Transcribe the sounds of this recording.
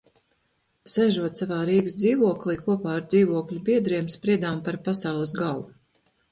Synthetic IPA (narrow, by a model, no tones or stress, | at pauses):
sɛʒuɔt̪savaːɾiːɡsd̪ziːvuɔklˠiːkuɔpaːaɾd̪ziːvuɔklʲubiɛd̪ɾiɛmspɾiɛd̪aːmpaɾpasawlˠɨs̬ɡalˠu